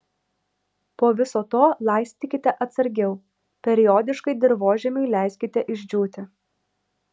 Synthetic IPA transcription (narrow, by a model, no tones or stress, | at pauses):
poːʋʲɪsoːt̪oːlˠɐˑɪsʲt̪ʲɪkʲɪt̪ʲɛʔɐt̪sɐɾʲɡʲɛʊ | pʲɛɾʲɪjoːd̪ʲɪʃkɐɪd̪ʲɪɾʋoːʒʲɛmʲɛɪlʲæˑɪsʲkʲɪt̪ʲɛʔɪʒʲd͡ʒʲuːt̪ʲɪ